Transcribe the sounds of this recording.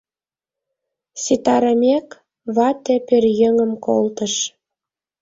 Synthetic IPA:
sit̪ɑɾəmek | βɑt̪ĕpørjeŋə̆mko̰lt̪əʃ

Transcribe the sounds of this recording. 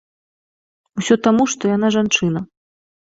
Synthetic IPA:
usʲɔt̪amuʂt̪ɔjanaʐant͡ʂɨnɐ

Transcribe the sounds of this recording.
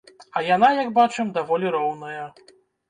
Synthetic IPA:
ɐjanajɐɡbat͡ʂɛmd̪avɔlʲiɾɔwnɐjɐ

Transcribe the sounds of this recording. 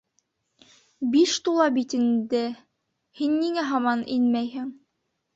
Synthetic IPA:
biʃt̪ulˠɑbit̪ɘ̆nd̪ɘ | hinːiŋæɦɑmɑninmæjhɘŋ

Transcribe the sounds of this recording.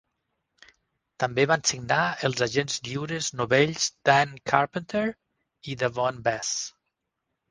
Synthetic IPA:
t̪əmbeβansiɡnaəlˠzaʒenzd̪iwɾəznuβeʎz̥d̪̥aŋkʰaɾpənt̪eɾ | iðəvɔnbɛs

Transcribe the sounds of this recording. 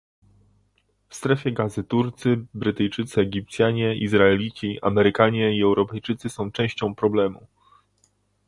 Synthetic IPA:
fst̪ɾɛfʲjɛɡazɘt̪uɾt̪sɘbɾɘt̪ɘjt͡ʂɘt̪sɘɛɡʲip̚t̪sʲjaɲɛizɾaɛlʲit͡ɕia̰mɛɾɘkaɲɛiɛwɾɔpɛjt͡ʂɘt̪sɘsɔ̃w̃t͡ʂɛ̃w̃ɕt͡ɕɔ̃w̃pɾɔblɛmṵ

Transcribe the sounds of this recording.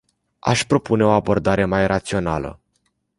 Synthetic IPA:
a̰ʃpɾo̞pune̞o̞abo̞rd̪aɾe̞majrat̪sio̞nalə̰

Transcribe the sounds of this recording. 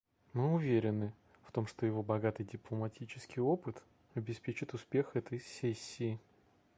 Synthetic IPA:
mɨʊvʲeɾʲɪnːɨ | ft̪o̞mʂt̪ojɪvo̞bɐɡat̪ɨjdʲɪplˠəmɐtʲʰit͡ɕɪ̥skʲɪjo̞pɨt̪ | ɐbʲɪspʲet͡ɕɪt̪ʊspʲe̞xɛt̪əjsʲesʲːiː

